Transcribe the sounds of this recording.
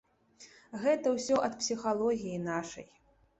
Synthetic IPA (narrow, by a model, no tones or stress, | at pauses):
ɣɛt̪ɐwsʲɔʔɐt̪psʲixalˠɔɣʲijinaʂɐ̰j